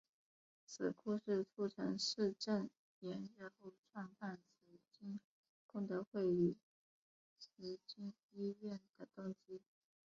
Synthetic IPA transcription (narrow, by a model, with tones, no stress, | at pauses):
t͡sʰɹ̩˨˩kʰu˥ʂɻ̩˥˧ʈ͡ʂʰu˥ʈ͡ʂʰɤ˧˥ŋʂɻ̩˥˧ʈ͡ʂə˥˩n | jɛ˧˥nɻə˥˧xo˥˧ʊʈ͡ʂʰwɑ˥˧ŋpa˥˩nsə˧˥t͡ɕi˥ŋ | kʊ˥˩ŋt̪ɤ˧˥xwe˥˩ɪy˧˥ | sɹ̩˧˥t͡ɕi˥ŋ | i˥ɥɛ˥˩nd̪̥ə˩t̪ʊ˥ŋɕi˥